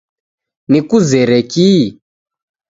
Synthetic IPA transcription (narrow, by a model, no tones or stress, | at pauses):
nikuzɛɾɛki